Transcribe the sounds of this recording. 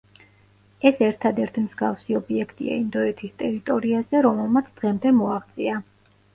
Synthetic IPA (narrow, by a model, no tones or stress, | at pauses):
ɛsɛɾt̪ʰad̪ɛɾt̪ʰimzɡafsiɔbiɛkʰt̪ʼḭa̰ind̪ɔɛt̪ʰist̪ʼɛɾit̪ʼɔɾiazɛɾɔmɛlˠmat̪sʰd̪̥ʁɛmd̪ɛmɔaʁt̪sʼia